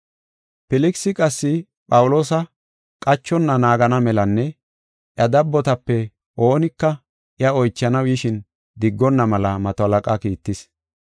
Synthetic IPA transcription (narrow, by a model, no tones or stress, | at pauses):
pɪlɪksɪkʼɐsːɪ | pʼɐwʊlo̞ːsɐ | kʼɐt͡ʃːɔnːɐnaːɡɐnɐmɛlɐnːɛ | ʔjɐd̪ɐbːɔt̪ɐpːɛ | ʔo̞ːnɪkːɐ | ʔɪjɐɔjt͡ʃːɐnɐwjɪʃɪn | d̪ɪɡːɔnːɐmɐlɐmɐt̪ɔɐlɐkʼɐkiːt̪ːɪs